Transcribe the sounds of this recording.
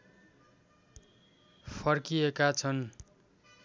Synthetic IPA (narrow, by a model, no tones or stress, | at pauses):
pʰʌrkiekat͡sʰʌn